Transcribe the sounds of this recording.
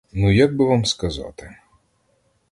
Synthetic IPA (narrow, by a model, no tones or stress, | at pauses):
nujaɡ̚bɪʋamskɐzɑ̰t̪ɪ